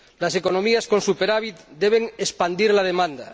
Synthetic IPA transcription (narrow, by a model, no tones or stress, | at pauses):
lasekonõmiaskonsupeɾaβ̞it̪̚d̪eβ̞eŋespand̪iɾlað̞emãnd̪a̰